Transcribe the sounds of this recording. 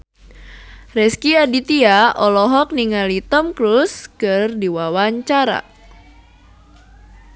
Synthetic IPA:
rɛskiadit̪iaʔɔlɔɦɔk̚niŋalit̪ɔmkɾuskɨrdiwawaɲt͡ʃaɾa̰

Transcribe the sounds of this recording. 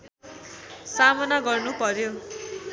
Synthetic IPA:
samʌnaɡʌrnupʌɾjo

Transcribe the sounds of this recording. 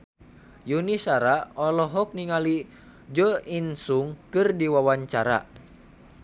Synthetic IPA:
junisaɾaɔlɔɦɔk̚niŋali | d͡ʒɔinsuŋkɨrdiwawaɲt͡ʃaɾa̰

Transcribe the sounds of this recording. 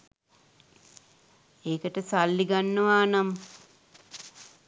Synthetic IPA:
eːkəʈəsalːiɡanːəʋaːnamə

